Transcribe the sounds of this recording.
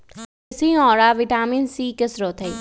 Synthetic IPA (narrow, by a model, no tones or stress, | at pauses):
ɪsĩɔːɾaːʋɪʈaːminsiːkəsɾoːt̪ʰe